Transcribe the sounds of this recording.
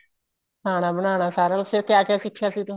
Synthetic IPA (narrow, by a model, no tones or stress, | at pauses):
haːñaːbənaːñaːsaːɾaːlsekjaːkɪjaːʃɪkʰːjaːsiːt̪ʊ